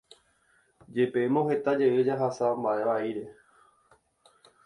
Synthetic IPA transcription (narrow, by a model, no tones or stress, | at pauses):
d͡ʒe̞peemõɦe̞t̪ad͡ʒeʔɨd͡ʒaɦasambaʔe̞ʋaiɾe̞